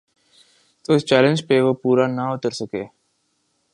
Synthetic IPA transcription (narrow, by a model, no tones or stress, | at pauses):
t̪oːɪst͡ʃɛːlə̃nd͡ʒpeʋəpuːɾanaʊt̪əɾsəkḛː